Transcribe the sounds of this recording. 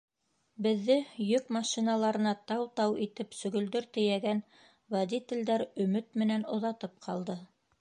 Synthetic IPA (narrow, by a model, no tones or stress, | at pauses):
bɘ̆ðːɘjɵkmɑʃinɑlˠɑɾɤ̆nɑt̪ɑwt̪ɑwit̪ɘpsɵ̆ɡɵ̆ld̪ɵɾt̪ɘ̆jæɡæn | vɐd̪ʲit̪ʲɘ̆ld̪æɾɵ̆mɘt̪̚mɘ̆nænŏðɑt̪ɤp̚qʰɑlˠd̪ɤ